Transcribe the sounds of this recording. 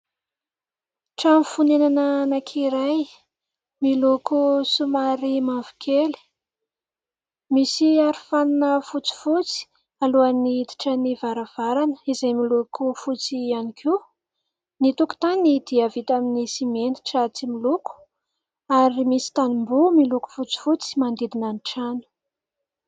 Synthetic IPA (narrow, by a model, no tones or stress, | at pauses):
ʈ͡ʂamifunenananakʰiɾaj | milukusumaɾimavu̥kʰeli̥ | misiaɾifaninəfut͡si̥fut͡si̥ | aluaniit̪i̥ʈ͡ʂənivaɾav̥aɾanə̥izajmilukʰufut͡sianikʰu | nit̪uku̥t̪anid̪iavit̪aminisimeni̥ʈ͡ʂət͡similuku̥ | aɾimisi̥t̪animbumiluku̥fut͡si̥fut͡si̥mand̪ed̪inaniʈ͡ʂanu̥